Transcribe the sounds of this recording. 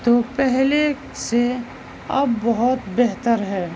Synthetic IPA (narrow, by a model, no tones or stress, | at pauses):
t̪opɛɦle | se | ɐbːɐɦʊt̪beɦt̪əɾɦɛː